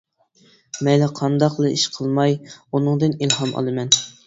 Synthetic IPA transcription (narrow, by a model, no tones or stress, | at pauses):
mɛlɛqʰɑnd̪ɑqlˠɨiʃqʰəlˠmɑjunɨŋd̪ɨnilˠɦɑmɑ̰lˠɨmɛn